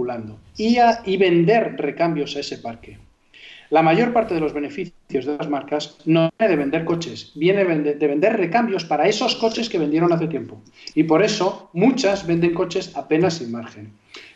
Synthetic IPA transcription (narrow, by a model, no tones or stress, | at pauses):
uland̪o | iβe̞nd̪e̞ɾre̞kambjo̞sae̞se̞paɾke̞ | lamaʝo̞ɾpaɾt̪e̞ð̞e̞lo̞zβe̞ne̞fiθθjo̞zðeazmaɾkaznojneð̞e̞βe̞nd̪e̞ɾko̞t͡ʃe̞sbjeneβnd̪eβend̪erre̞kambjo̞spaɾae̞so̞sko̞t͡ʃe̞ske̞β̞e̞nd̪je̞ɾo̞naθe̞t̪je̞mpo | ipo̞ɾe̞so̞mut͡ʃazβe̞nd̪e̞ŋko̞t͡ʃe̞sape̞nasːinmaɾxen